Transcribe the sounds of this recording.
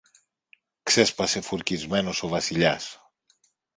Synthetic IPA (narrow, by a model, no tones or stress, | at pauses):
kse̞spɐse̞fuɾcizme̞no̞so̞vɐsiʎɐs